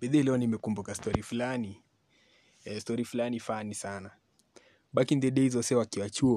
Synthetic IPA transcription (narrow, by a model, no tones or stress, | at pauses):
ɓɛɗɛilɛɔnimɛkumbukastɔɾifulani | ɛstɔɾifulanifanisana | ɓakindɛɗɛizɔsɛwakiwat͡ʃuɔ